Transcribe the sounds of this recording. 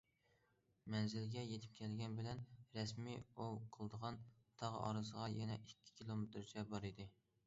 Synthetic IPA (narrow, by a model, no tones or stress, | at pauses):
mɛnzɪlɡʲɛjet̪ʰɪ̥p̚kʲʰɛlɡʲɛnbɪlɛnɾɛsmiowqʰəlˠd̪əʁɑnt̪ʰɑʁɑ̰ɾɨsəʁɑjɛnɛʔikʲʰːi̥kʲʰilˠomet̪ɾd͡ʒʰɛbɑɾid̪ɪ